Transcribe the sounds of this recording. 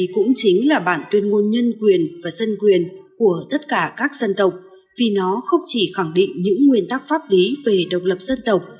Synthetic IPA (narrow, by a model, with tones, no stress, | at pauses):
kʊ̰˧˥ŋ͡mt͡ɕi˨˦ŋ̟laː˨˩ɓa̰ː˧˩nt̪wi˧ənŋu˧nɲə˧nkwi˨˩ənvaː˨˩zə˧nkwi˨˩ənku˧˩ət̪ə˦˥t̚kaː˧˩kaː˦˥k̚zə˧nt̪ə˨˩wk͡p̚ | vi˨˩nɔ˨˦xə˧wŋ͡mt͡ɕi˧˩xa˧˩ŋɗḭ˧˨ŋ̟ɲɨ̰˧˥ŋːwi˧˩ənt̪a˦˥k̚faː˦˥p̚li˨˦ve˨˩ɗə˨˩wk͡p̚lə˨˩p̚z̥ə˧nt̪ə˨˩wk͡p̚